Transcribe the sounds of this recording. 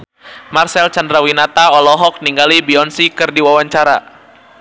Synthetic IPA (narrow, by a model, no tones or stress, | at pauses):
marsɛlt͡ʃandɾawinat̪aɔlɔɦɔk̚niŋɡalibiɔnsikɨrdiwawaɲt͡ʃaɾa̰